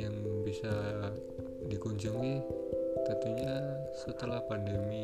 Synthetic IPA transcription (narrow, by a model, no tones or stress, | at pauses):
jaŋbisa | dikuɲd͡ʒuŋit̪ənt̪uɲa | sət̪əlahpandəmi